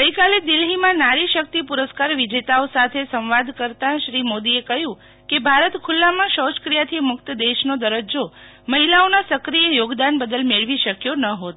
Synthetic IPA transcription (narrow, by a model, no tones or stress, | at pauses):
ɡəjkaled̪ɪlɦimãnaɾiʃək̚t̪ipuɾəskaɾʋid͡ʒet̪aosat̪ʰesə̃w̃ʋad̪kəɾt̪ãʃɾimod̪iekəɦjũ | kebʱaɾət̪kʰʊlːamãʃəskɾijat̪ʰimʊkt̪əd̪eʃnod̪əɾəd͡ʒo | məɦilaonasəkɾijejoɡd̪anbəd̪əlmeɭʋiʃəkjonəɦot̪